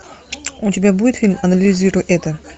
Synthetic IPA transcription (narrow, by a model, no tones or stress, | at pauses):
ʊtʲɪbʲabudʲɪt̪fʲilʲmɐnɐlʲlʲɪzʲiɾʊjʔɛt̪ə